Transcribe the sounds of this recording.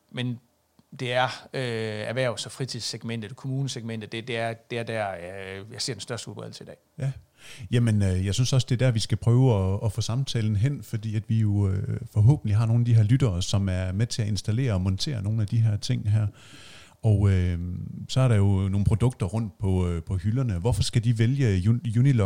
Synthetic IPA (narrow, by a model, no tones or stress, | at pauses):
men | d̥e̝æɐøæʋæɐʊ̰sɒfʁit͡sʰiðˠseɡ̥men̰d̥ð̩ˠkʰomuːnəseɡ̥̚men̰d̥ð̩ˠd̥e̝d̥e̝æɐd̥e̝æɐd̥æɐ̰jɑ̈ɪse̝ɐd̥ensd̥ɶɐsd̥əulˠb̥ɛ̰ð̰ˠl̩səidɛ̰ːjæ | jæmenøjɑ̈ɪsynsɒ̽sd̥e̝æɐd̥æɐʋisɡ̥æpʰʁœːʊɒɒ̽fɔ̰sɑ̈mt͡sʰɛ̰ːln̩ɦen̰fɒ̽d̥ḭːæd̥ʋijo̝øfɒ̽ɦɔ̰ːb̥n̩liɦɑ̈no̝ːn̩æd̥iɦæɐlyd̥ɐːsɒ̽mæɐmet͡sʰe̝æe̝nsd̥æle̝̰ːɐɒ̽mɒ̽nt͡sʰe̝̰ːɐno̝ːn̩æd̥iɦæɐt͡sʰe̝ŋ̰ɦæɐ̰ | ɒʊø | sɒ̽æɐɾɑ̈jo̝no̝ːn̩pʰʁo̝d̥ɔ̽ɡ̥̚d̥ɐʁɔ̽n̰d̥̚pʰɒ̽pʰɒ̽hylɐnəʋɒfɒ̽sɡ̥æd̥iʋeljəjunilɒ̥